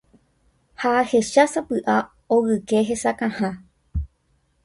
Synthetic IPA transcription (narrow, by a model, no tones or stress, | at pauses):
hahe̞ʃasapɨʔa | oɣɨke̞ɦe̞sakãhã